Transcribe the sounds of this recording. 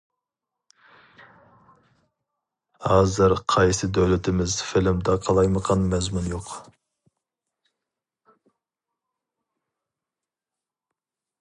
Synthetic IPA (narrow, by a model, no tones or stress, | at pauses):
hɑːzɨɾqʰɑjsɨd̪øwlɪt̪ʰɪmɪzfɪlɪmd̪ɛqʰɑlˠɑjməqʰɑnmɛzmunjoq